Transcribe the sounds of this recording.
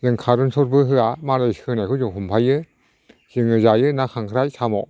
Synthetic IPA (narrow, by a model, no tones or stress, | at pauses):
zɯŋkʰaːɾunsʰot̚bɯɦɯamaːɾajkʰɯnakʰuuŋkʰompʰajɯ | siŋɯzaːjɯnakʰaŋkʰɾajsʰamɔ̰